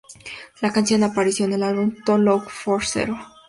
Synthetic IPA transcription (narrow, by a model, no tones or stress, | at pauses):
lakansjo̞napaɾisjoene̞lalβumt̪olokfoɾsḛɾo